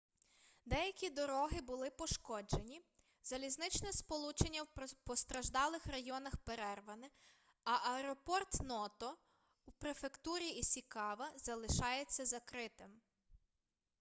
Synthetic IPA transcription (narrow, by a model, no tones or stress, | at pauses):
d̪ɛjɐkʲid̪ɔɾɔɦɪbʊlˠɪpɔʃkɔd͡ʒe̞nʲi | z̥ɐlʲiznɪt͡ʃnɛspɔlˠut͡ʃenʲːɐwpɔst̪ɾɐʒd̪ɑlˠɪxrɐjɔnɐxpeɾɛrʋɐnɪ | ɐʔɐɛɾɔpɔrt̪nɔt̪ɔ | upɾefekt̪uɾʲiisʲikɑʋɐzɐlˠɪʃɑjet͡sʲːɐzɐkɾɪt̪ɪm